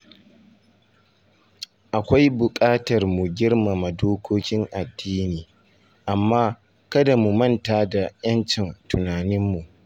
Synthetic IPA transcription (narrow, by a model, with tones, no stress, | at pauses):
ʔa˨kʷa˦jbʊ˨kʼaː˦tɐ˨rmʊ˨ɡʲɪ˦rma˨ma˨doː˦kʷʰoː˦kʲɪ˦ŋʔa˨dːiː˦niː˨ | ʔa˨mːaː˦ | kɐ˦da˨mu˨mɐ˦ntaː˨da˨jɐ˦nt͡ʃɪ˨ntʊ˨naː˨nɪ˦mːu˨ʔ